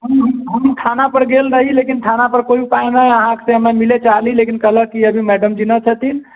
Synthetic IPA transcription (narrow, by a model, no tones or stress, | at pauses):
ɦəmɦmɦəmʈʰanapəɾɡelɾəɦilekinʈʰanapəɾkoiipaenajəɦãke̥seəmemilet͡ʃalilekinkəɦləkːiəbʱimɛɖəmd͡ʒinət͡ʃʰət̪in